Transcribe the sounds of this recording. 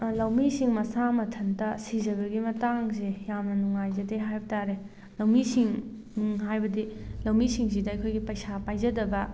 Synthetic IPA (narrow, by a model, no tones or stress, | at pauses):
lɐwmisiŋmɐsamɐtʰɐndɐsizɐβɐɡimɐtaŋzejamnɐnuŋajzɐdeɦajbɐtaɾe | lɐwmisiŋ | ɦajbɐdilɐwmisiŋsidɐːjkʰojɡipɐjsapajzɐdɐbɐ